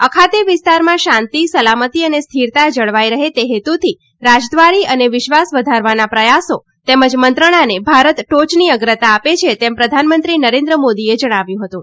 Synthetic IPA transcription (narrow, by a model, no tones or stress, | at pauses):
əkʰat̪eʋɪst̪aɾmãʃãnt̪isəlamət̪iənest̪ʰiɾt̪ad͡ʒəɭʋajɾəɦet̪eɦet̪ut̪ʰi | ɾad͡ʒd̪ʋaɾiəneʋɪʃʋasʋəd̪ʱaɾʋanapɾəjaso | t̪eməd͡ʒmənt̪ɾəɽ̃anebʱaɾət̪ʈot͡ʃniəɡɾət̪aːpet͡ʃʰet̪ɛmpɾəd̪ʱanmənt̪ɾinəɾẽnd̪ɾəmod̪ied͡ʒəɽ̃aʋjũɦət̪ũ